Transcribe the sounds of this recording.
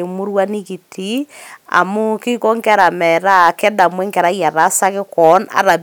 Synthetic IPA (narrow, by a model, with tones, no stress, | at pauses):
e˨mo˦ɾwa˦ni˦ki˨tʰia̰˨mo˦ki˦ko˦ŋkɛ˦ɾa˨mɛ˨ɾa˦kɛ˦da˨mwɛ˦ŋkɛ˨ɾa˦ɣja˨ɾa˨˦sa˦ke˦kɔ˨˦na̰˨ɾa˨